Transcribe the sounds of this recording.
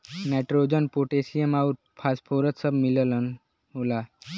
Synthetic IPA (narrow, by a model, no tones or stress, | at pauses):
neʈɾod͡ʒənpoʈesijəmaut̪ | pʰaːspʰoɾət̪səbmilələn | ɦola